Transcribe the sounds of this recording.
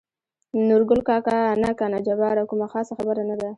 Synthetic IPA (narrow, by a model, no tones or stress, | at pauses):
nʊɾɡʊlkɑkanakanad͡ʒabɑɾakumaxɑsaxabəɾanad̪a